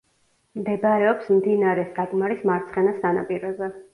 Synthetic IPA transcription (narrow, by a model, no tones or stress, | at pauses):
md̪ɛbaɾɛɔpsmd̪inaɾɛsakʼmaɾismaɾt̪sʰχɛnasanapʼiɾɔzɛ